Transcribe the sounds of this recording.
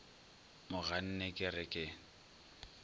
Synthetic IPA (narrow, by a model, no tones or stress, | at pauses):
mʊɣan̩nɛkʼɪrɪkʼɪ